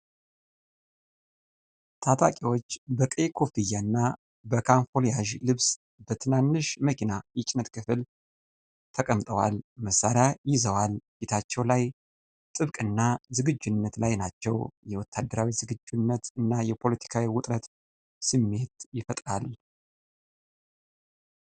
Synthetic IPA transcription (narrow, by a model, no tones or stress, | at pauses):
t̪ʰat̪ʰʼakʼiwo̞t͡ʃːbəkʼekʰo̞fijanːa | bəkʰanfolijaʒlɨβs | bət̪ʰɨnanːɨʃməkʰinajɪt͡ʃʼnət̪kʰɨfɨl | t̪ʰəkʼəmt̪ʼəwalməsːaɾjajɪzəwalbet̪ʰat͡ʃːɛwlaj | t̪ʼɨβkʼɨnːazɨɡɨd͡ʒːunːət̪lajnat͡ʃːɛwjɛwɔt̪ʰːad̪ːəɾawizɨɡɨd͡ʒːunːət̪ɨnːajɛpʰo̞lət̪ʰi̥kʰawiwʊt̪ʼɾət̪ | sɨmːe̞t̪jɪfət̪ʼɾal